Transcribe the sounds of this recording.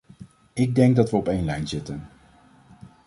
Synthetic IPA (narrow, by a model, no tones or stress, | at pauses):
ɪɡ̚dɛŋɡ̚dɑtʋəɔpejnlɛjnzɪtən